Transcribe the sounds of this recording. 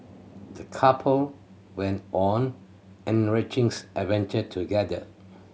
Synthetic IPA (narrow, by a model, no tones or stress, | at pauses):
dəkʰapʰəl | wɛ̃ntʔɔ̃n | ɛ̃nɹɪt͡ʃɪ̃ŋsʔɛvɛ̃ntətʰuɡɛdə̰